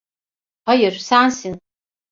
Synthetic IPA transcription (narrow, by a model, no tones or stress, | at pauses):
ajɨrsaːnsin